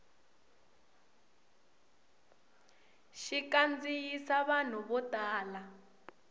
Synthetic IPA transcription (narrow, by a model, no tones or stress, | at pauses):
ʃikand͡zijisaβan̤uβɔtʼaːla